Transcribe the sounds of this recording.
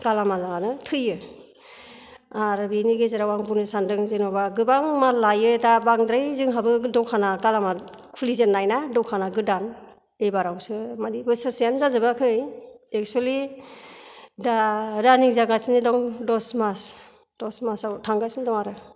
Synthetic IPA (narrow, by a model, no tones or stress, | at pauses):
ɡ̥alamalanɯtʰɯjɯ | aɾbiniɡezaɾawaŋbunɯsandɯŋzenɔbaɡɯbaŋmalajɯdabaŋdɾajzɯŋɦabɯdɔwkʰanaɡalama | kʰulizenːajnadɔwkʰanaɡɯdan | ejbaɾawsɯmadibɯsɯsijanzazɯbakʰɯjek̚t͡ʃuali | dadaniŋzaɡasinidɔŋdɔsmas | d̥ɔsmasawtʰaŋɡasindɔŋaɾɯ